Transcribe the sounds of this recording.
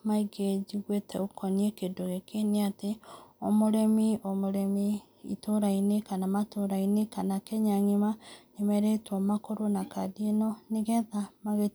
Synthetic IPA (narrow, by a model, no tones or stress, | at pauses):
maiɡed͡ʒiɣwetʰɛukʰɔniekedoɣekeneateomoɾɛmiomoɾɛmi | ḭtoɾainekanamatoɾainekanakɛɲaŋemanemɛɾetɔmakoɾonakadienɔneɣɛðamaɣe